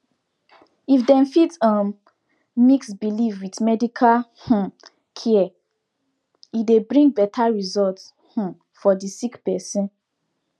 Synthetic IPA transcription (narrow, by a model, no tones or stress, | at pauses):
ifdɛ̃nfitam | miksbilivwitmɛdikʰalh̩ | kʰiɛ | idebɹĩŋɡ̚bɛtʰaɹizɔlt | h̩ | fɔdisikpɛsĩn